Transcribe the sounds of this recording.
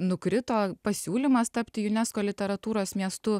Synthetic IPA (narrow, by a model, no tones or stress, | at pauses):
nʊkɾʲɪt̪oːpɐsʲuːlʲimɐst̪ɐpʲt̪ʲɪjʊnʲɛskoːlʲɪt̪ʲɛɾɐt̪uːɾoːsmʲiɛst̪ʊ